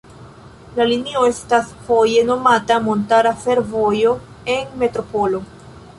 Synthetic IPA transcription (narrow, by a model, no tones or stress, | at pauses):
lalinio̞e̞stasfoje̞no̞matamo̞ntaɾafe̞ɾvo̞jo̞ | e̞nme̞tɾo̞po̞lo̞